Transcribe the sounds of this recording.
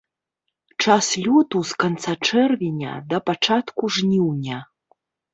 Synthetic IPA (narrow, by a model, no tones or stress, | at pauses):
t͡ʂaslʲɔt̪uskant̪sat͡ʂɛrvʲinʲɐ̰d̪ɐpat͡ʂat̪kuʐnʲiwnʲɐ